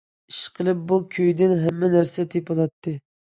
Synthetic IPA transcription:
i̥ʃqʰəlˠɨp̚bukʲʰøjd̪ɪnɦɛmːɛnæɾsɛt̪ʰepʰɑlˠɑt̪ʰːɨ

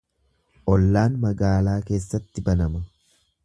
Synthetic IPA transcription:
ʔɔlːaːnmɐɡaːlaːke̞ːsːɐt̪ːɪbɐnɐmɐ

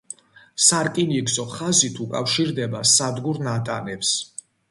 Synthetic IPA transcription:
saɾkʼiniɡzɔχazit̪ʰukʼafʃiɾd̪ɛbasad̪ɡuɾnat̪ʼanɛps

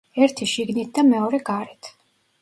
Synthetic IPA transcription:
ɛɾt̪ʰiʃiɡnit̪̚ʰd̪amɛɔɾɛɡaɾɛt̪ʰ

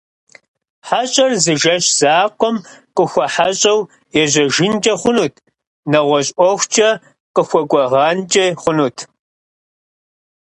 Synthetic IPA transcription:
ħaɕʼɐrzɨʒɐɕz̥aːqʷʼɔmqʼəxʷɐħaɕʼɐw | jɛʑɐʒɪnt͡ʃʼɐχʷʊnuːtʰ | nɐʁʷɔɕʼʔʷɔxʷt͡ʃʼɐ | qəxʷɔkʷʼɔʁɑːnt͡ʃʼɐχʷʊnuːtʰ

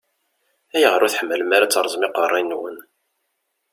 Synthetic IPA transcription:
æjəʁɾʊθħəmːələmaɾat͡sːəɾˤzˤmɪqərˤːinːwə̰n

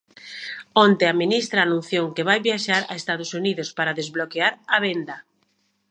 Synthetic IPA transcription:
ɔnt̪eaminist̪ɾaːnũn̟θjoŋkeβajβjaʃaɾa̰est̪aðʊsuniðʊspaɾaðezβlokeaɾaβend̪ɐ

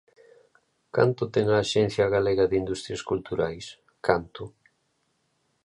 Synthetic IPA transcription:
ka̰nt̪ʊt̪ɛŋaːʃɛn̟θjaɣaleɣaðind̪ust̪ɾjaskult̪uɾajs | kant̪ʊ

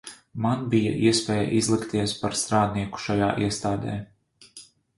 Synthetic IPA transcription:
manbija̰ʔiɛspɛːja̰ʔizlˠikt̪iɛspaɾst̪ɾaːd̪niɛku̥ʃaja̰ːʔiɛst̪aːd̪ɛ̰ː

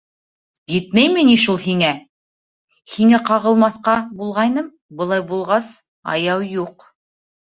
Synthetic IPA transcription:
jɘt̪̚mæjmɘniʃulˠɦiŋæ | hiŋæqɑʁɤ̆lˠmɑθqɑbulˠʁɑjnɤm | bɤ̆lˠɑjbulˠʁɑs | ɑ̰jɑwjuq

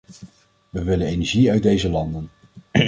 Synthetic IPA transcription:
ʋəʋɪlənejnɛɹʒiœɥ̚dejzəlɑndən

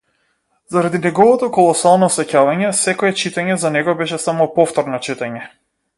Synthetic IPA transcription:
zaɾad̪inɛɡɔvɔt̪ɔkɔlˠɔsalˠnɔsɛcavaɲɛsɛkɔɛt͡ʃit̪aɲɛzanɛɡɔbɛʃɛsamɔpɔft̪ɔɾnɔt͡ʃit̪aɲɛ

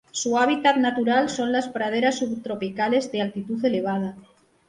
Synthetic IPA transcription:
suaβ̞it̪at̪nat̪uɾalso̞nlaspɾað̞e̞ɾasːuβt̪ɾo̞pikale̞zðealt̪it̪uθe̞le̞β̞að̞a

